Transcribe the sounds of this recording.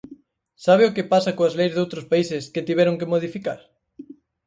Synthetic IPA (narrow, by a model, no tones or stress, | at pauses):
saβ̞ɪokepasakoazlejzðowt̪ɾospaisɪsket̪iβɛɾoŋkemoð̞ifikaɾ